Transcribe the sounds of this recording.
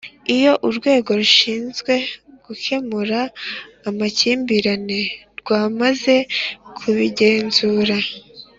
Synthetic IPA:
ijo̞ʔuɾɡwe̞ːɡo̞ɾuʃiːnzɡwe̞ɡ̥uke̞muɾaː | maciːmbiɾane̞ɾɡwaːmaze̞kʰuβiɟe̞ːnzuːɾa

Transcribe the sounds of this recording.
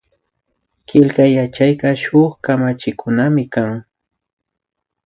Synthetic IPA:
kɪlkajat͡ʃajkɑʃʊχkamat͡ʃɪkʰʊnamɪkaŋ

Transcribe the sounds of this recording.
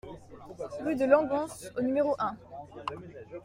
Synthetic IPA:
ʁyd̪əlɑ̃ɡɑ̃sonymeʁoʔɛ̃

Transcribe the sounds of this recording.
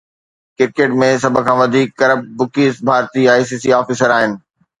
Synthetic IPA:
kɪɾkeːʈmẽsɐbʱʊ̆kʰãːʋɐd̪ʱiːkːɐɾəb̚ːʊkiːsbʱaːɾt̪iaːjs̬iːsiaːfiːsəɾaːɦɪnɪ̆

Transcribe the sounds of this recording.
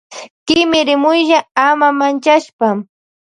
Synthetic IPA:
kɪmɪɾɪmʊjʎaamamant͡ʃaʃpa

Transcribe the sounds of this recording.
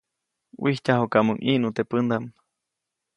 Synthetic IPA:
wihc̪ʲaɦokamuŋʔiʔnut̪epɨnd̪am

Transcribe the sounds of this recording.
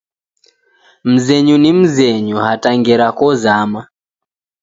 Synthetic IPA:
m̩zɛɲunim̩zɛɲuɦataŋɡɛɾakɔzama

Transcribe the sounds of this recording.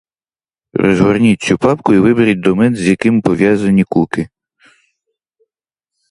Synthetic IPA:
rʔɔ̰zɦɔrnʲit̚ʲt͡sʲupɑpkʊiʋɪbeɾʲɐt̚ʲd̪ɔmɛnzʲjɐkɪmpɔʋʲjazɐnʲikukɪ

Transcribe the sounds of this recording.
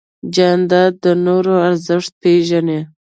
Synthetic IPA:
d͡ʒand̪ɑd̪ːənoɾoaɾzɪʂt̪̚peʒane

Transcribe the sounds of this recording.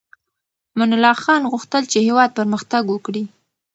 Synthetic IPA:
mʊnʊlɑxɑnɣuxt̪əlt͡ʃehewɑd̪̚pəɾməxt̪aɡwəkɽi

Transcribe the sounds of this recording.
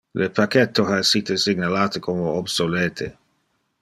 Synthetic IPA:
lepakɛt̪ːohaesiːt̪esiɡnalaːt̪ekʰomoobsolɛːt̪ʰe

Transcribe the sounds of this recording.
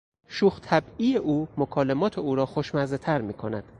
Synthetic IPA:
ʃuːxt̪ʰæbiːjeʔuːmokʰɒːlemɒːt̪ʰeuːɾɒːxoʃmæzet̪ʰæɾmiːkʰo̞næ̰d̪̥

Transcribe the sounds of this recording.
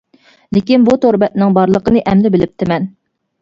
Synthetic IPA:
lɪkʲinbut̪ʰoɾbɛt̪̚nɪŋbɑɾlˠəqənɨʔɛmlɪbɪlɪp̚t̪ʰɪmɛn

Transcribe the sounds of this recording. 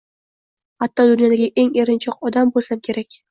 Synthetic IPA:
hat̪ʰːɒd̪ʊnjɒd̪aɡʲaʔe̞ŋeɾɪnt͡ʃʰɒqɒd̪ambolsamkʲʰe̞ɾakʲ

